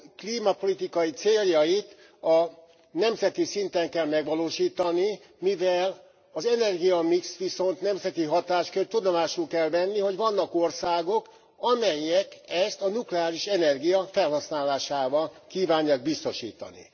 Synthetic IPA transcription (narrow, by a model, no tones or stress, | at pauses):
kliːmɒpo̞lit̪ikɒjit̪seːljɒjit̪ | ɒ | nɛmzɛt̪isint̪ɛŋkɛlmɛɡʋɒloːʃiːt̪ɒni | mivɛl | ɒzɛnɛrɡijɒmiksʋiso̞nt̪nɛmzɛt̪iɦɒt̪aːʃkørt̪ud̪o̞maːʃulkɛlvɛnːiɦo̞ɟvɒnːɒko̞rsaːɡo̞k | ɒmɛjːɛkɛst̪ɒnuklɛaːliʃɛnɛrɡijɒfɛlɦɒsnaːlaːʃaːvɒlkiːvaːɲːaːɡ̚bist̪o̞ʃḭːt̪ɒ̰nḭ